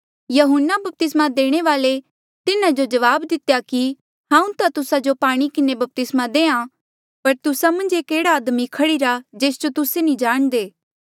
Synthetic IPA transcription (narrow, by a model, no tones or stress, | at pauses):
jɐɦʊnːabɐp̚t̪ɪsmad̪eːɽ̃eʋaːle | t̪ɪnad͡ʒod͡ʒɐʋaːbd̪ɪt̪ejaki | ɦãːũt̪at̪ʊsad͡ʒopaːɽ̃ikɪnebɐp̚t̪ɪsmad̪eːã | pɐɾt̪ʊsamɐ̃nd͡ʒeːkeːɽaːd̪mikʰɐɽiɾad͡ʒeːsd͡ʒot̪ʊsenĩd͡ʒaːɽ̃d̪eː